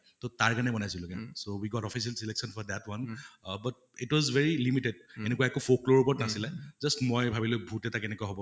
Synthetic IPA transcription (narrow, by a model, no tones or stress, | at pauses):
totaɹkanɛbɔnajsilukɛsowiɡɔtɔfis̬ialsileksɔnfʰɔd̪ɛtwɔnbat̚ | itwɔzveɹilimited̚enɛkuwaɛkʊfokloɹupɔɹɔtnasilɛzʌstmojbʱabilʊbʱutɛtakɛnɛkuaɦɔbɔ